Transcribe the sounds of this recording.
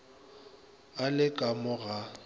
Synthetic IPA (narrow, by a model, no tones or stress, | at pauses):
alɪkʼamʊɣa